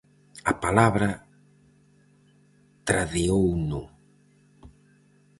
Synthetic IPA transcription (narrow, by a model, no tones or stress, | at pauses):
apalaβɾa | t̪ɾaðeownʊ